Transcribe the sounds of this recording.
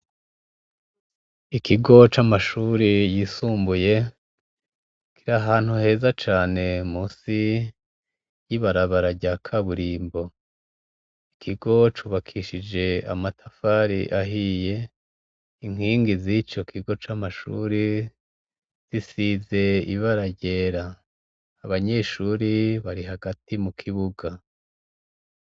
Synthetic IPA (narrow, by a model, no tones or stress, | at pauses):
ikiɡo̞t͡ʃamaʃuːɾijiːsuːmbuje̞ | kiɾaɦaːn̥huhe̞ːzat͡ʃaːne̞muːsi | jiβaɾaβaɾaɟakʰaβuɾiːmbo̞ | ikʰiɡo̞t͡ʃuːβakʰiʃid͡ʒe̞a̰matʰafaɾḭʔaɦije̞ | iŋ̥hiːŋɡizit͡ʃo̞kʰiɡo̞t͡ʃamaʃṵɾi | z̥isize̞ḭβaɾaɟe̞ɾaː | βaɲe̞ːʃuɾiβaɾiɦaɡatimukʰiβuɡa